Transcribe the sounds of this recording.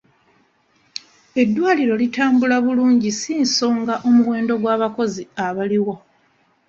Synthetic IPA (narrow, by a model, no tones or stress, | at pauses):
e̞dːwaːliɾo̞litaːmbulaβuluːɲɟisiːnso̞ːŋɡaʔo̞muwe̞ːndo̞ɡwaːβako̞ziaβaliwo